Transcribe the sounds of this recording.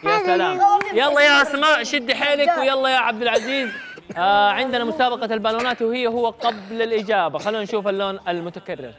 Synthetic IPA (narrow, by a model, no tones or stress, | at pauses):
jaalaːmjalˤːɑːjaʔasmaːʔʃɪd̪ːħeːlɪkwɪjɑlˤːɑjaʕab̚d̪ɪlʕaziːz | ʕɪnd̪ɪnamʊsaːbɑqɑlbaːluːnaːt̪whɪjːahʊwːaqɑblalʔɪd͡ʒaːbaxalːuːnanʃuːfalːoːnalmʊt̪akarːɪ̰ɾ